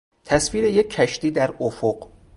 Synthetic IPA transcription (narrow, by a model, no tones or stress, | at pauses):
t̪ʰæsfiːɾejekʰːæʃt̪iːd̪æɾofoɢ